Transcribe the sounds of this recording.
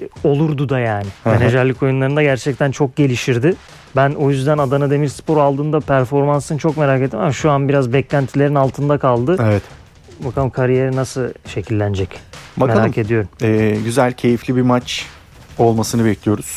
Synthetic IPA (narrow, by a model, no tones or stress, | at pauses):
o̞lˠuɾd̪ud̪ajaːnɪheneʒɛɾlʲːiko̞junlˠaɾɯnd̪aɟæɾt͡ʃʰɛc̚t̪ʰænt͡ʃʰo̞k̚ɟe̞lʲiʃiɾd̪ɪ | bæno̞jyzd̪ænad̪anad̪e̞miɾspʰo̞ɾalˠd̪ɯːnd̪apʰæɾfo̞ɾmansɯnt͡ʃʰo̞kme̞ɾaːket̪ːimamaʃuanbiɾazbɛclʲænt̪ʰilʲe̞ɾinalˠt̪ʰɯnd̪akʰalˠd̪ɯevɛt̪ | bakʰalˠɯmkʰaɾije̞ɾinasɯʃe̞cʰilʲːænd͡ʒɛcbakmeɾalakʰe̞d̪ijo̞ɾumɛːɟyzælʲcʰe̞jiflʲibimat͡ʃ | olˠmasɯnɯbɛclʲijo̞ɾuz̥